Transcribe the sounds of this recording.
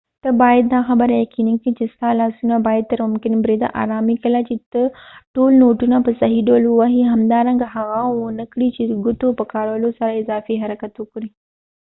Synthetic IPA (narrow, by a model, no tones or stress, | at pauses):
t̪ɐbaːɪd̪̚d̪ãxɐbəɾjɐkiːnək̪ʰid͡ʑɐsk̪alaːsuːnãbaːɪd̪̚t̪ɐɾmʊmkɪnbɾeːd̪a̰ʔa̰ːɾaːmikɐlat͡ɕit̪ɐʈuːlnoːʈunãpɐsɐɦiɗoːlɦuaːɦiɦɐmd̪aːɾɐ̃ŋɡɦɐʋãːunɐkɽit͡ɕiɡʊt̪opɐkaːɽʋlosaɾɪzaːfiɦɐɾəkət̪ukɾĩ